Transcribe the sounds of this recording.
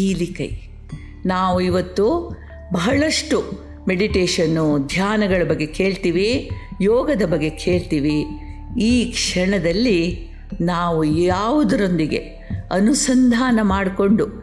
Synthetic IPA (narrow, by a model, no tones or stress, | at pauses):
iːlikɐ̰j | naːʋuiʋɐt̪ːu | bɐɦɐɭɐʂʈu | me̞ɽiʈeːʂɐnːud̪ʱjaːnɐɡɐɭɐbɐɡːe̞ke̞ːɭt̪iːʋijɔːɡɐd̪ɐbɐɡːe̞kʰe̞ːɭt̪iːʋiiːkʂɐɳɐd̪ɐlːi | naːʋujaːʋud̪ɐɾo̞nd̪iɡe̞̰ | ɐnusɐnd̪ʱaːnɐmaːɽko̞ɳɖu